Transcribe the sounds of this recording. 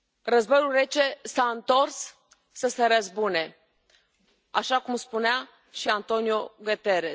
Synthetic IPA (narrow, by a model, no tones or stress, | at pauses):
rəzbo̞julre̞t͡ʃe̞saɨnt̪o̞rsː | əseɾəzbune̞ | aʃakumspunea | ʃiant̪o̞nijoɡət̪eɾe